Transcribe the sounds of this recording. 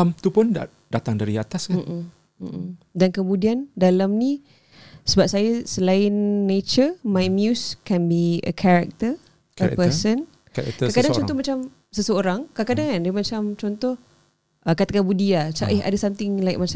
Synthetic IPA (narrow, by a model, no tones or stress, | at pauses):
amt̪upʊnda̰ | d̥at̪aŋdaɾiat̪askam̩ | dankəmũdiandalamni | səbap̚sajasəlaɪnːet͡ʃəmajmjuskɛ̃nbiə̰kʰaɾak̚t̪ə | kə̰pəsən | kɛɾa̰kk̪akadaŋt͡ʃɔɔhmat͡ʃam | səsəoɾaŋkakadaŋandmat͡ʃamt͡ʃɔnt̪ɔh | ʔəkat̪akanbudiat͡ʃa̰ʔiɦa̰dəsamt̪ɪŋlaɪkmat͡ʃa